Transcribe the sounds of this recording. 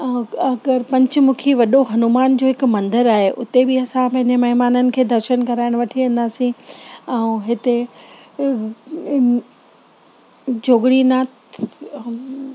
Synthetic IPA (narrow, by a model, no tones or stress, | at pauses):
ɐɡəɾpɐ̃ɲt͡ɕmũːkʰeʋɐɗoɦɐnʊmaːnd͡ʑoːɦɪkmɐ̃nd̪əɾaːɦeʔʊt̪ebɪɐsãpɐ̃ɦɪ̃ɲd͡ʑəmɐɦɪmaːnənɪ̆kʰeːd̪ʱɐɾʃənkɐɾaːɪɽ̃ʋɐʈʰiʋẽːn̆d̪aːsĩɛ̃ũɦɪt̪e | d͡ʑoːɡɽinaːt̪